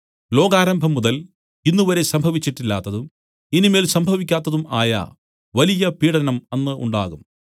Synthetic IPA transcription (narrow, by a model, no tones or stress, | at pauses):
lo̞ːɡaːɾɐmbʱɐmːuðɐl | inːuʋɐɾe̞sɐmbʱɐʋit͡ɕːiʈːilːaːt̪ːɐðum | inime̞ːlsɐmbʱɐʋikʲːaːt̪ːɐðuma̰ːjɐ̰ | ʋɐlijɐpiːɽɐnɐmenːɨʔṵɳɖa̰ːɣum